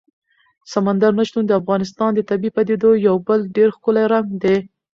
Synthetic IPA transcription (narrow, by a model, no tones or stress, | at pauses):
samand̪aɾnaʃt̪und̪əafɣɑnɪs̬t̪ɑnd̪ət̪abipad̪ed̪ojawbəlɖeɾxkʊlajɾaŋɡd̪e